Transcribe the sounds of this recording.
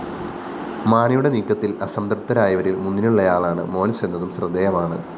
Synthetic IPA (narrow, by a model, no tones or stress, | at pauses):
maːnɐjuɽe̞niːkːɐt̪ːilɐsɐmd̪ɐrt̪ːɐɾaːjɐʋɐɾilmunːinuɭːɐjaːɭaːɳɨ̰mo̞ːnise̞nːɐðumsrɨd̪ːeːjɐmaːɳɨ̰